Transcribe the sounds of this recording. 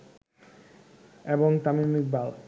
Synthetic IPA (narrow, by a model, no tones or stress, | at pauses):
eboŋt̪amimik̚bal